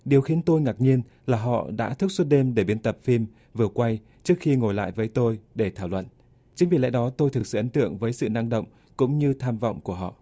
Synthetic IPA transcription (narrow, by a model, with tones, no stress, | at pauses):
ɗi˨˩əwxi˨˦ənt̪o˧jŋa˨˩k̚ɲi˧ən | laː˨˩ɦɔ̰˧˨ɗa̰ː˧˥t̪ʰɨ˦˥k̚swə˦˥t̚ɗe˧mɗe˧˩ɓi˨˦ənt̪ə˨˩p̚fi˧m | vɨ˨˩əkwa˧j | t͡ɕɨ˦˥ək̚xi˧ŋo˨˩jla̰ː˧˨jvəː˨˦jt̪o˧jɗe˧˩t̪ʰaː˧˩wlwə̰˧˨n | t͡ɕɨ˨˦ŋvi˧˩la̰˧˥jɗɔ˨˦t̪o˧jt̪ʰɨ˨˩k̚sɨ̰˧˨ʔə˨˦nt̪ɨ̰˧˨əŋvəː˨˦jsɨ̰˧˨na˧ŋɗə̰˧˨wŋ͡m | kʊ̰˧˥ŋ͡mɲɨ˧t̪ʰaː˧mvɔ̰˧˨wŋ͡mku˧˩əɦɔ̰˧˨ʔ